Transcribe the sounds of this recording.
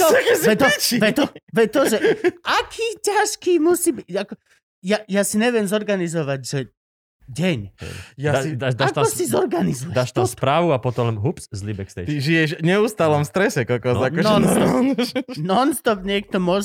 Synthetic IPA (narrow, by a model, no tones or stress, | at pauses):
ɔkzɛt̪ɔʋɛt̪ɔʋɛt̪ɔʒɛʔakʰiːcaʃkiːmusiːbiakɔ | jajasiɲɛʋɪɛmzɔɾɡanizɔʋaɟʒɛ | ɟɛɲɛ̰jaaid̪aʃd̪ak̪aɔsizɔɾɡanizujɛd̪aaʃt̪aspɾaːʋuapɔt̪ɔmɛmɦupszlibɛkst̪ɛ̰t̪iʒijɛʃɲɛuːst̪aːlɔmfst̪ɾɛsɛkɔkɔzakɔʒɔnɔ | nɔnst̪ɔpɲɪɛk̚t̪ɔmʊɔʒ